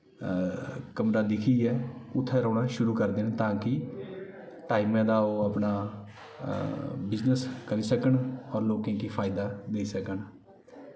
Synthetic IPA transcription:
kəmɾaːd̪ɪkʰiːɛːʊt̪ʰːɛːɾɔ̃ːɳaːʃʊɾuːkəɾd̪eːnt̪ãːkɪ | ʈaːiːmɛ̃ːd̪aːoːapnaː | bɪznəskəɾiːsəkəɳɔːɾloːkẽːkiːpʰaːɪd̪aːd̪eːisəkən

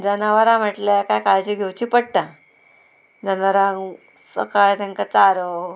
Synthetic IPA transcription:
d͡zənaʋəɾãm̤əʈlakajkaɭd͡ʑiɡʱewt͡ɕiːpəɽ̚ʈã | d͡zənaɾãŋ | sə̰kaɭt̪ẽŋkat͡saɾo

